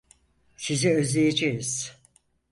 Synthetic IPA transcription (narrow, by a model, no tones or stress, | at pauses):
siziø̞zlʲejed͡ʒejiz̥